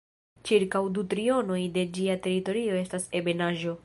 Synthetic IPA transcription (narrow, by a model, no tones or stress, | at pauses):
t͡ʃiɾkawdutɾio̞no̞jde̞d͡ʒiate̞ɾito̞ɾio̞e̞stase̞be̞naʒo̞